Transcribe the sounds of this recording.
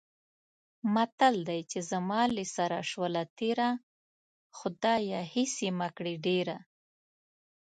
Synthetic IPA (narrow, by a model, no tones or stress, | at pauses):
mat̪ald̪ajt͡ʃezamɑlesaɾaʃwəlat̪eɾa | xʊd̪ɑjahɪsemakɽeɖeɾa